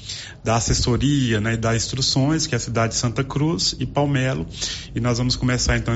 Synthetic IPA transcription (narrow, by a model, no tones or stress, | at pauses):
d̪ɐasesoɾiɐnɛd̪ɐzĩst̪ɾusõj̃skɪɛɐsid̪ad͡ʒɪd͡ʒɪsɐ̃nt̪ɐkɾuzɪpawmɛlʊɪnɔzvɐ̃mʊskõmesaɾẽt̪ɐ̃w̃